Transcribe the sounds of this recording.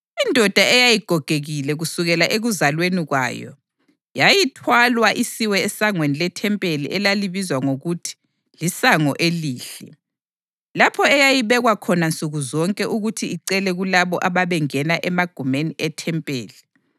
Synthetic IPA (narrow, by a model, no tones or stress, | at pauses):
indʱɔd̥ʱaɛjajiɡ̥ʱɔɡ̥ʱeɣilɛɣusuɣɛlaʔeɣuzalweniɣwa̰ːjɔ̰ | jajitʰwalwaʔisiwɛːsaŋwenilɛtʰɛmpʼelḭʔɛlaliβizwaŋoɣutʰi̥ | lisaŋɔ̰ʔeliːɬɛ | lapʰɔɛjajiβɛɣwakʰɔnant͡sʼuɣuzɔŋkʼɛʔuɣutʰiiǀɛlɛɣulaβɔʔaβaβɛŋɛnaʔɛmaɡ̥ʱumeniɛtʰɛmpʼḛːli